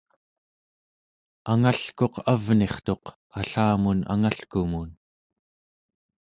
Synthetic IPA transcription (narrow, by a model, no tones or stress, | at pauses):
aŋaɬko̞qʰavne̞χt̪o̞q | aɬaːmuna̰ŋaɬkumun